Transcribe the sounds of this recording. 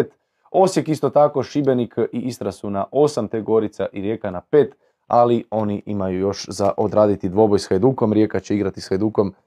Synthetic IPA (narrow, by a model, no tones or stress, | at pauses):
t̪ | o̞sje̞kist̪o̞t̪ako̞ʃibe̞nikiʔist̪ɾasunaʔo̞samt̪eɡo̞ɾit̪saʔiɾjeːkanape̞ːt̪ | alio̞niʔimajujo̞ʃzaʔod̪ɾaːd̪it̪id̪ʋo̞bojsxajd̪uːko̞mɾjekat͡ɕeiɡɾat̪isxajd̪uko̞m